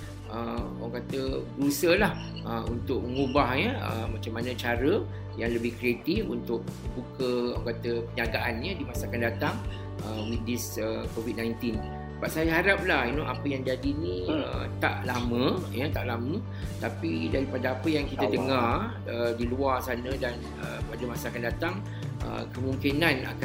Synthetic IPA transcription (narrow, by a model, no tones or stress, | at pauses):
ə | akat̪əbəɾusəlah | ʔəṵnt̪ʊk̚məŋubahɲəə̰mat͡ʃamːanə̃t͡ʃaɾə | jaŋləbɪhkɾiet̪ifunt̪ʊk̚bukəokat̪əpəɲaɡaʔanɲədimãsakandat̪aŋ | əwidisəkovid̚nãjnt̪in | baʔ̚sajaɦaɾap̚lahinoʔapəjaŋd͡ʒadinĩə̰t̪a̰ʔlamə̃jət̪aʔlamə̃ | t̪apidaɾipadəapəjaŋkit̪ədəŋar | ədiluarsanə̃dan | ə̰padəmãsaakandat̪aŋ | ʔə̰kəmuŋkinãna̰ka